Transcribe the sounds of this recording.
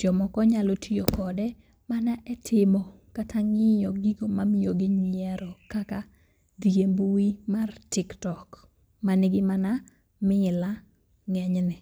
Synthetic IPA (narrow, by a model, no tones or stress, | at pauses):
d͡ʒɔmɔkɔɲalotʰijokɔdɛ | manaʔɛtʰɪmɔ | katʰaŋɪjɔɡiɡomamijoɡɪɲɪɛɾɔkaka | d̪iɡembuwimartɪktɔk | manɪɡɪmana | mɪla | ŋɛɲnɪ